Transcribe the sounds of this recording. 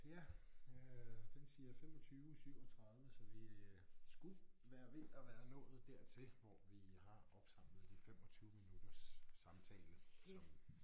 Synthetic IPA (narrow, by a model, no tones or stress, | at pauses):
jæ | fensiæfemɒ̽t͡sʰyːʊsʰyʊ̰ɒt͡sʰʁɑ̈ð̞ˠʋəsɒ̽ʋisɡ̥uʋæːɐʋe̝ʔæʋæːɐnɔ̰̽ːð̩ˠd̥æɐt͡sʰe̝lʋɒʋihɑ̈ɒ̽b̥sɑ̈m̰ləðˠd̥ifemɒt͡sʰyːʊəminud̥ɐsːɑ̈mt͡sʰɛ̰ːləsɒ̽